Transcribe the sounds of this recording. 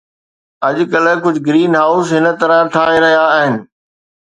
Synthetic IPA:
ɐʄʊkɐləkʊd͡ʑʱʊɡɾiːnɦaːʊsɦɪnə̆t̪ɐɾat̪ʰaːeɾɐɦijaːɦɪnɪ̆

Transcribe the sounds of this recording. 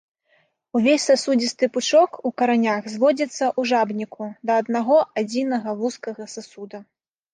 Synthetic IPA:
uvʲesʲsasud͡zʲist̪ɨput͡ʂɔkukɐɾanʲaɣzvɔd͡zʲɐt̪sːɐʔuʐabnʲikud̪ɐːd̪naɣɔʔad͡zʲinɐɣɐvuskɐɣɐsasud̪ɐ

